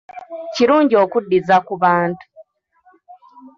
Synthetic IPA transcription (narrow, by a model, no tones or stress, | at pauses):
ciɾuːɲɟiokudːizakuβaːntu̥